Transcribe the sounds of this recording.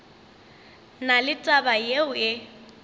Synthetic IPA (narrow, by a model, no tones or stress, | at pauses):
nalɪt͡sʼabajeʊɪ